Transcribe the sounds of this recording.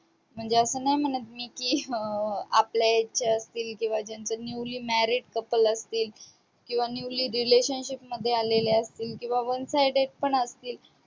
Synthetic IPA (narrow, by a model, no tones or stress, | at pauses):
m̤əɳd͡zeəsəːnajm̤əɳət̪̚miːkiː | a̰pljajet͡ɕaəst̪iːlkĩw̃ʋad͡ʑjant͡sənjuwliːmæɾiʈkəpələst̪iːl | kĩw̃ʋanjuwliːɾileɕənɕipməd̪ʱːjealeleəst̪iːlkĩw̃ʋaʋənsajɖeʈ̚pəɳəst̪iːl